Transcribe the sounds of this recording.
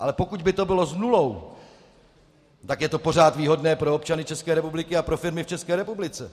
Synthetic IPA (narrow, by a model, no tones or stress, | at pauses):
ʔalɛpo̞kuɟbɪt̪o̞bɪlo̞znulo̞w | t̪akjɛt̪o̞po̞r̝aːt̪viːɦo̞dnɛːpɾo̞op̚t͡ʃanɪt͡ʃɛskɛːɾɛpublɪkɪapɾo̞fɪɾmɪft͡ʃɛskɛːɾɛpublɪt͡sɛ